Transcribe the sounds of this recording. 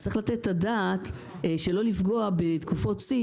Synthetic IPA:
t͡sʁiχlat̪et̪ːadaːt̪ | ʃelo̞lifɡo̞abet̪kufo̞tsi

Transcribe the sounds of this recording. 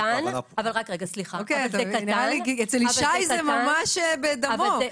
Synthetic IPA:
anavalʁakʁeɡasliχaokejt̪aainiʁalikiet͡seliʃajzemamaʃebed̪amo

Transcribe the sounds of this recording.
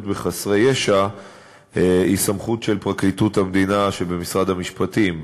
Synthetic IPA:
tbeχasʁejeʃa | isamχutʃe̞lpʁaklituthamd̪inaʃebe̞misʁad̪hamiʃpatim

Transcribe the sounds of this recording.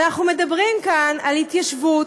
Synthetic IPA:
aχnume̞dabʁimkanalhit̪jaʃvu

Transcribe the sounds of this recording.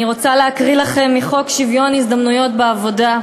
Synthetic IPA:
iʁo̞t͡saleakʁilaχe̞mːiχo̞kʃivjo̞nizd̪amnujo̞tbeavo̞da

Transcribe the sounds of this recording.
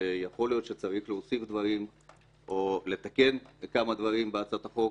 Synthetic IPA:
jaχo̞ljo̞t̪ʃet͡saʁiχleosifd̪vaʁim | ʔo̞le̞t̪ake̞nkamad̪vaʁimbeat͡sat̪aχo̞

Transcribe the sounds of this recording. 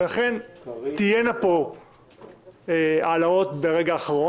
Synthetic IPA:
elaχent̪ijenapo̞ | ealao̞t̪beʁe̞ɡaːχaʁo

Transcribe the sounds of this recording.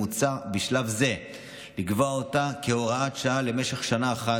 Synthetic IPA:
ut͡sabiʃlavze̞ | liɡvoaotakeoʁaatʃaale̞me̞ʃe̞χʃanaːχa

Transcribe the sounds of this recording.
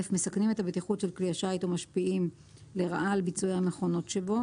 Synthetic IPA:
efme̞saknimet̪abet̪iχutʃe̞lkliaʃajt̪omaʃpiim | le̞ʁa̰ʔalbit͡suehame̞χo̞no̞tʃe̞bo̞

